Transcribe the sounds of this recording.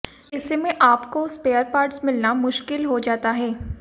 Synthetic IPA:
ɪsemẽʔaːpkospeːəɾpaːɾʈsmɪlnamʊʃkɪlɦod͡ʒaːt̪aɦɛː

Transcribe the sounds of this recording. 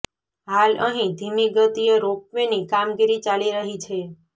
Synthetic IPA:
ɦalə̰ɦĩd̪ʱimiɡət̪ijeɾok̚ʋenikamɡiɾit͡ʃaliɾəɦit͡ʃʰe

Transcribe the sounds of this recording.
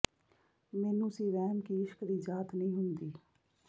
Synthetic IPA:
meːnũsiɾɛːmkiɪʃkd̪iːd͡ʒaːt̪nɐɦĩːɦʊnd̪iː

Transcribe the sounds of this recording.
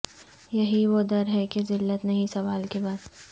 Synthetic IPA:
jɐɦiʋod̪ɐɾɦɛkezɪlːət̪nɐɦĩsɐʋaːlkebaːd̪

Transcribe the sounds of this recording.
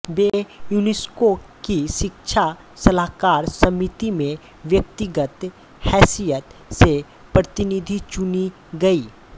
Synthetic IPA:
beːjunɪskokiʃɪkʃʰa | sɐlaːkaːɾsɐmɪt̪imẽ | ʋjək̚t̪ɪɡət̪ | hɛːsijət̪se | pɾət̪ɪnid̪ʱit͡ʃʊni | ɡɐiː

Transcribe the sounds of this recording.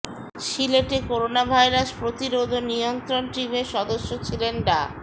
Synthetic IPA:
ʃileʈekoɾonabʱajɾaspɾot̪iɾod̪ʱonijont̪ɾonʈibeʃɔd̪oʃːot͡ɕʰilenɖa

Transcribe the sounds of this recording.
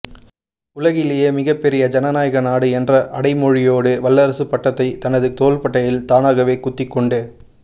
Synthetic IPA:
ʊlɐɣɪlejeːmɪɣɐpːɛɾɪjɐd͡ʒɐnɐnaːjɐɣɐnaːɽɯɛndrɐʔɐɽɐɪmɔɻɪjoːɽɯʋɐlːɐɾɐsɯpɐʈːɐt̪ːɐɪt̪ɐnɐðɯt̪oːlpɐʈːɐjɪlt̪aːnaːɣɐʋeːkʊt̪ːɪkːɔɳɖɯ

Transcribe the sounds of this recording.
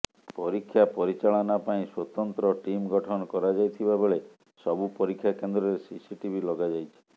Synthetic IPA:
pɔɾikʰːjapɔɾit͡ʃaɭɔnapaĩswot̪ɔnt̪ɾɔʈimɡɔʈʰɔnɔkɔɾad͡ʒajt̪ʰibaboɭe | sɔbupɔɾikʰːjakend̪ɾɔɾesisiʈibʱilɔɡad͡ʒajt͡ʃʰi̥

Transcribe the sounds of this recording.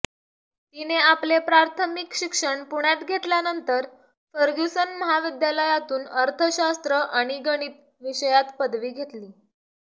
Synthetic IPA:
t̪ineaplepɾaɾt̪ʰəmikɕikʂəɳpuɳ̃jat̪ɡʱet̪ljanənt̪əɾ | fəɾɡusənməɦaʋid̪jaləjat̪uːnəɾt̪ʰəɕast̪ɾəʔaɽ̃iɡəɽ̃iːt̪̚ | ʋiɕəjat̪pəd̪ʋiːɡʱet̪liː

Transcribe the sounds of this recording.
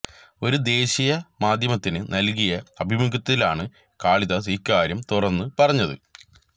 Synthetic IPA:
o̞ɾud̪e̞ːɕijɐmaːd̪ʱjɐmɐt̪ːinɨnɐlkijɐɐbʱimukɐt̪ːilaːɳɨ | kaːɭiðɐsikːaːɾjɐmt̪urɐnːɨpɐrɐɲːɐðɨ̰

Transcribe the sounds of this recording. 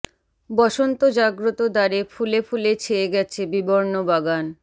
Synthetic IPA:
bɔʃont̪od͡ʑaɡɾot̪od̪aɾefulefulet͡ɕʰeeɡɛt͡ɕʰebiboɾnobaɡan

